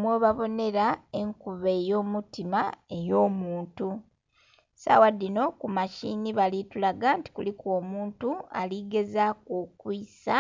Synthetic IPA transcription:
mweβaβo̞ne̞ɾae̞ŋkuβeːjo̞ːmutimae̞jo̞ːmuːntu | sa̰wadːino̞kumaʃiniβalitulaɡaːnti̥kṵlikwoːmuːntua̰liɡe̞zakokwisa

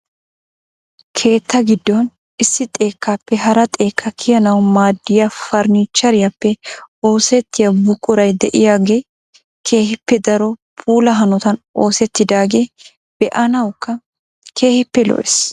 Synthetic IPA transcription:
kʰe̞ːt̪ːɐɡɪd̪ːɔn | ɪsːɪt̪ʼe̞ːkːaːpːɛɦɐɾɐt̪ʼe̞ːkʰːɐkʰɪjɐnɐwmaːd̪ːɪjɐfɐɾnit͡ʃːɐɾɪjɐpːɛo̞ːsɛt̪ːɪjɐbʊkʼːʊɾɐjd̪ɛʔɪjaːɡe̞ː | kʰe̞ːhɪpːɛd̪ɐɾɔpʰuːlɐɦɐnɔt̪ɐno̞ːsɛt̪ːɪd̪aːɡe̞ː | b̥ɛʔɐnɐwkːɐ | kʰe̞ːhɪpːɛlɔ̰ʔɛs

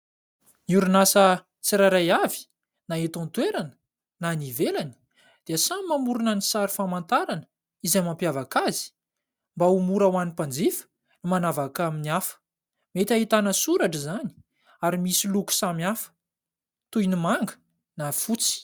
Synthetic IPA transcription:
niuɾunasə | t͡siɾaɾajavi̥ | naet̪ɔ̃nt̪weɾanə̥ | nanivelanə̥ | d̪̥easamimamuɾunənisaɾifamant̪aɾanə̥ | izajmampjavakazi̥ | mbaumuɾawanipand͡zifə̥ | nimanavakaminiafə̥ | met̪ʲaɦit̪anəsuɾaʈ͡ʂizani̥ | aɾimisiluku̥samiafə̥ | t̪ujnimaŋɡə̥ | nafut͡si̥

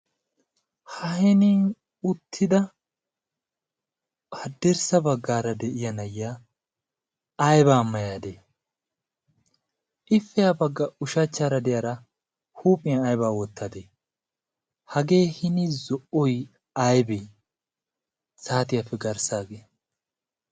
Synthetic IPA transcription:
hɐɦɛnin | ʊt̪ʰːɪd̪ɐ | hɐd̪ːɛɾsɐbɐɡːaːɾɐd̪ɛʔɪjɐnɐjːa | jbaːmːɐjaːd̪eː | ʔɪfːɛjabɐɡːɐʊʃɐt͡ʃːaːɾɐd̪ɛjɐɾɐ | huːpʼɪjɐnɐjbaːwɔt̪ːad̪e | hɐɡe̞ːhɪnɪzɔʔɔj | ɐjbe | saːt̪ɪjɐfːɛɡɐɾsaːɡeː

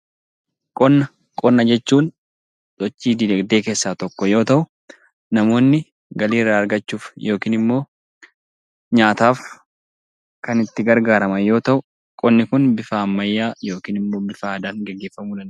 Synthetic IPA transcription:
kʼɔnːɐ | kʼɔnːɐd͡ʒɛt͡ʃːuːn | sɔt͡ʃːiːd̪ɪlɐɡd̪e̞ːke̞ːsːaːt̪ɔkːɔjo̞ːt̪ɐʔʊ | nɐmo̞ːnːɪ | ɡɐliːrːaːɐɾɡɐt͡ʃːuːfjʔo̞ːkiːnɪmːo̞ː | ɲaːt̪aːf | kɐnɪt̪ːɪɡɐɾɡaːɾɐmɐjo̞ːt̪ɐʔʊ | kʼɔnːɪkʊnbɪfaːɐmːɐjːaːjo̞ːkiːnɪmːo̞ːbɪfaːɐd̪aːŋɡɛɡːe̞ːfːɐmuːᶑɐn

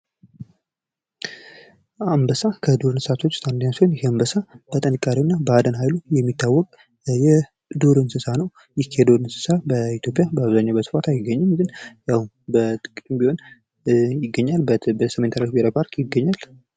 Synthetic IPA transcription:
ambəsakʰəd̪uɾɨnsat̪ʰo̞t͡ʃːt̪ʰʼand̪ənːasonjheambəsab̥ət̪ʼənɨkʼːaɾiwunːabəad̪ənɦajlujɛmːit̪ʰːawːɔkʼ | jɛ | d̪uɾɨnsɨsanəw | jɛkʰːed̪oɾɨnsɨ̥sabəit̪ʰjo̞pʼjabəaβzaɲːabəsɨ̥fat̪ʰajɪɡːəɲːɪmɡɨnjahn | bət̪ʼɨkʼimbiho̞n | jɪɡːəɲːaləsəment̪ʰaɾlakbeɾapʰaɾkʰʼjɪɡːəɲːal

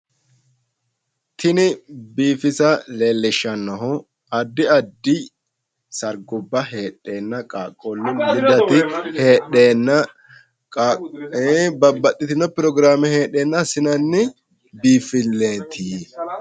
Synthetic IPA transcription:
t̪ʰɪnɪbiːfɪsɐleːlːɪʃːɐnːɔɦɔ | ɐd̪ːɪɐd̪ːɪ | sɐɾɡʊbːɐɦeːᶑːe̞ːnːɐkʼaːkʼːɔlːʊnlɪd̪ɐt̪ɪheːɗeːnːɐ | bɐbːɐt̪ːɪt̪ɪnːɔpɪɾɔɡɾaːmɛhe̞ːᶑeːnːɐsɪnɐnːɪ | biːfɪlːeːt̪ʰiː

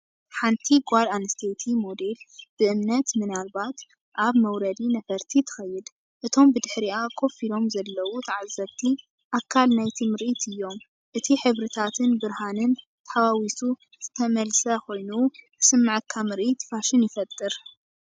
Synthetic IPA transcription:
ħant̪ʰiɡʷalanɨst̪ʰet̪ʰimo̞d̪e̞lb̥ɨʔɨmnɐt̪mɨnalbat̪ | ʔaβmɐwɾɐd̪inɐfɐɾt̪ʰit̪ʰɨ̥xɐjːɪd̪ | ʔɨt̪ʰo̞mbɨd̪ɨħɾiʔakʰo̞filo̞mzɐlːɐwut̪ʰɐʕazɐβt̪ʰi | ʔakʰːalnajt̪ʰimɨɾʔit̪ʰɨjːo̞m | ʔɨt̪ʰiħɨβɾɨt̪ʰat̪ʰɨnbɨɾhanɨn | t̪ʰɐħawawisu | z̥ɨt̪ʰɐmɐlsɐko̞jnu | sɨmːaʕɨkʰːamɨɾʔit̪faʃɪnjɪfɐt̪ʼːɨɾ

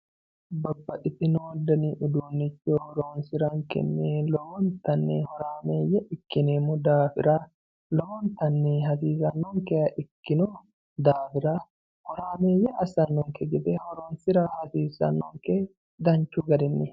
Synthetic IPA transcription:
bɐbːɐᶑɪt̪ɪnoːd̪ɐniʔʊd̪uːnːɪt͡ʃːɔhɔɾoːnsɪɾɐŋkɛ̰nːelɔwɔnt̪ɐnːɛhɔɾaːmeːjɛʔɪkːɪneːmʊd̪aːfɪ̰ɾa | lɔwɔnt̪ɐnːɛɦɐsiːsɐnːɔŋkɛjɐʔɪkːɪnɔ | d̪aːfɪɾaː | hɔɾaːmeːjɛʔɐsɐnːɔŋkɛɡɛd̪ɛhɔɾoːnsɪɾahɐsiːsɐ̰nːɔŋkɛ | d̪ɐɲt͡ʃːuɡɐd̪ɪnːɪ

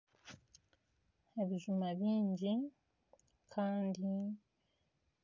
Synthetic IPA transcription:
eβiʒumaβiːɲɟi | kʰaːndi

